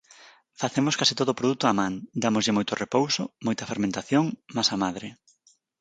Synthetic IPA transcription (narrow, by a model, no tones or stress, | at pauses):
faθemoskasit̪oðoːpɾoðut̪oamãŋd̪amozʎɪmojt̪ʊrepowsomojt̪ɐfeɾmẽnt̪aθjoŋmasamaðɾɪ